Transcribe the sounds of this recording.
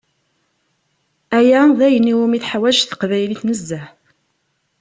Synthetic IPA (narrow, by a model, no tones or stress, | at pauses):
æjæðæjənːiwumiθħawæʒθə̥qvæjliθnəzːæħ